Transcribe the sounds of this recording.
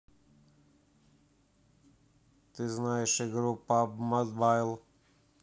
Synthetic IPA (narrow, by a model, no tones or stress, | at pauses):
t̪ɨznajɛʃɛɡɾupːamɔd̪bajlˠ